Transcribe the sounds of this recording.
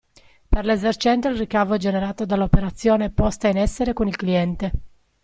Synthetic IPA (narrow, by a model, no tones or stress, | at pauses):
perlezert͡ʃɛnt̪oilrikavoɛd͡ʒeneɾaːt̪od̪alːopeɾat̪sːjoːneɛpːɔst̪ainɛsːeɾekonilkliɛnt̪e